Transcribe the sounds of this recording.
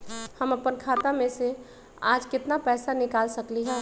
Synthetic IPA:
həmɐpənkʰaːt̪amẽse | aːd͡ʒkɪt̪napɛːsanɪkaːlsɐkliɦɛː

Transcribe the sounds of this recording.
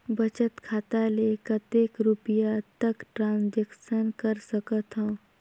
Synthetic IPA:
bət͡ʃət̪kʰat̪alekət̪ekɾupijat̪əkʈɾãnsd͡ʒeksənkəɾsəkət̪ɦə̃ː

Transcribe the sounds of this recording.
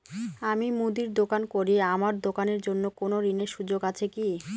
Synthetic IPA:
amimud̪iɾd̪okankoɾiamaɾd̪okaneɾd͡ʑonːokonoɾineɾʃud͡ʑoɡat͡ɕʰeki

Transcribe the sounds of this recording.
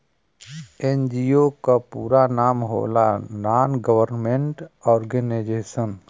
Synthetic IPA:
end͡ʒiokapuːɾanaːmɦo̰ːlanaːnɡəʋəɾnmẽɳʈɔːɾɡəneːd͡ʒeːʃən

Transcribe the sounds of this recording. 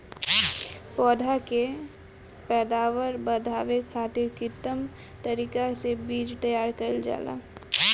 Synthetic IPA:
pɔːd̪ʱake | pɛːd̪aːʋəɾbəd̪ʱaːʋekʰaːt̪ɪɾkit̪əm | t̪əɾiːkasebiːd͡ʒt̪əjaːɾkəld͡ʒa̰ːla̰

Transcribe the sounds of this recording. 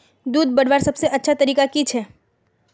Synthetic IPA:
d̪uːd̪̚bɐɽʋaːɾsɐbseʔɐtːʃʰat̪ɐɾiːkakit͡ʃʰɛː

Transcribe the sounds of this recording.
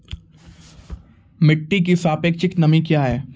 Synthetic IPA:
mɪʈːik̬isaːpeːk̚t͡ʃɪknɐmĩkjaːɦɛː

